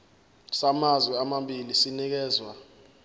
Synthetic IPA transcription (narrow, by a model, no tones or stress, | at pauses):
samazwɛamambilisinik̬ɛːzwa